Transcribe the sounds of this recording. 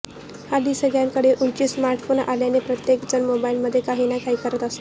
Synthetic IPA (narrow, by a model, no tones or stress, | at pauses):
had̪isəɡɭjaŋkəɽeʔuɭt͡ɕiːsmaɾʈfona̰ljanepɾət̪jekd͡zənmobailməd̪ʱːjekaɦinakʰaiːkəɾət̪əst̪o